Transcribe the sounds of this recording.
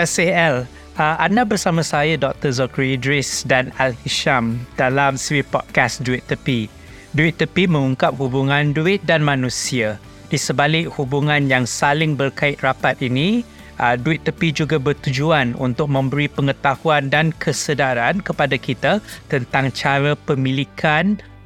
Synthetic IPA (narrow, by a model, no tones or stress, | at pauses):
ɛseɛl | əandabərsamãsajadɔk̚t̪əzɔkɾiidɾɪsdanalhiʃamd̥alamsiwipɔd̚kasduit̪ːəpi | duit̪ːəpimə̃ŋuŋkap̚hubuŋãnduɪt̪̚danmãnũsia | disəbalɪk̚hubuŋãnjaŋsalɪŋbərkaɪt̪̚rapat̪̚inĩ | ʔduɪt̪ːəpid͡ʒuɡabərt̪ud͡ʒuanṵnt̪ʊk̚mə̃mbəɾipəŋət̪ahuandankʰəsədaɾankəpadakit̪at̪ənt̪aŋt͡ʃaɾapəmĩlikʰan